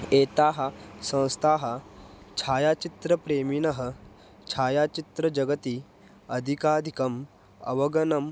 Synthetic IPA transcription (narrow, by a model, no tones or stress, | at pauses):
eːt̪aːɦɐ̆sɐ̃w̃st̪ʰaːɦɐt͡ʃʰaːjaːt͡ʃit̪ɾɐpɾeːminɐɦɐ̆ | t͡ʃʰaːjaːt͡ʃit̪ɾɐd͡ʒɐɡɐt̪i | ɐd̪ʱikaːd̪ʱikɐm | ɐ̰ʋɐɡɐnɐm